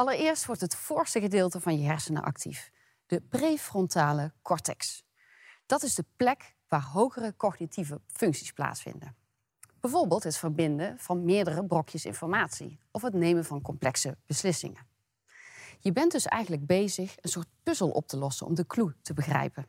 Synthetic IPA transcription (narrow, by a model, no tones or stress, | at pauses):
ʔɑlˠərɪːɹstʋɔɹtɦətfʊːɹstəɣədɪːlˠtəvɑnjəɦɛɹsənə̰ʔɑ̰ktʰḭf | d̥əprejfrɔntaːləkɔɹtɛ̰ks | d̥ɑtɪzdəplɛk | ʋaːrɦowχərəkɔχnitivəfɵŋksi̥spla̰ːtsfɪ̰ndə | b̥ɛjvoɹbɪːlˠtɦətfəɹbɪndənv̥ɑnmɪːɹdərəbrɔkʰjəsɪ̰̃nfɔɹmaːtsḭʔɔfɦətnejmənvɑnkɔmplɛksəb̥əslɪsɪ̰ŋə̰ | jəbɛndɵsɛ̰jɣənləɡ̚bejzəχənsʊːɹt̚pɵzəlˠʔɔ̰p̚tʰəlɔsə̰nɔ̰mdəklutəbəɣrɛ̰jpən